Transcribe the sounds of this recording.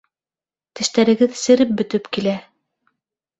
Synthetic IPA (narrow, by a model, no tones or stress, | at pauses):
t̪ɘ̆ʃt̪æɾɘ̆ɡɘðsɘ̆ɾɘp̚bɵ̆t̪ɵpkilæ